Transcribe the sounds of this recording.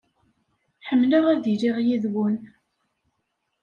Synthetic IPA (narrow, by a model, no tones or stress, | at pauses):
ħəmːləʁæðiliʁjiðwʊn